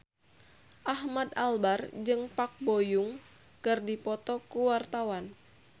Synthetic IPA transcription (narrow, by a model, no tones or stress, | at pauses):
ʔahmad̪albard͡ʒɨŋpak̚bojuŋ | kɨrdipɔt̪ɔkuwart̪awan